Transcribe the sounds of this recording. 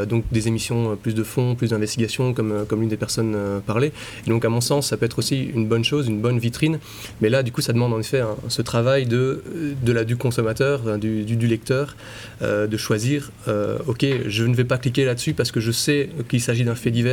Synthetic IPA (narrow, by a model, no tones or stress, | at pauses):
d̪ɔ̃k̚d̪ezemisjɔ̃øplysd̪əfɔ̃plysd̪ɛ̃vɛst̪iɡʲasjɔ̃kɔmøkɔmynd̪epɛʁsɔnøpaʁle | ed̪ɔ̃kamɔ̃sɑ̃sːapøɛt̪χosiy̰nbɔnʃoːzynbɔnvit̪χin | mɛlad̪ykusad̪əmɑ̃d̪ɑ̃nefɛɛ̃sət̪χavajd̪əd̪əlad̪ykɔ̃sɔmat̪œːʁfɛ̃d̪yd̪yd̪ylɛk̚t̪œːʁ | ø̰d̪əʃwaziːʁ | ø̰okʲeʒənəvɛpaklik̬ʲelad̪əsypaʁsə̥kəʒəsɛkilsaʒid̪ɛ̃fɛd̪ivɛ